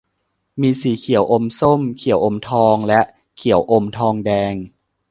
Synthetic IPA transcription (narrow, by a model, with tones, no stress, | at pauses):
miː˧siː˩˦kʰi˨˩˦əwʔo˧mso˥˩mkʰi˨˩˦əwʔo˧mt̪ʰɔː˧ŋlɛ˦˥ʔ | kʰi˨˩˦ə˦wʔo˧mt̪ʰɔː˧ŋdɛː˧ŋ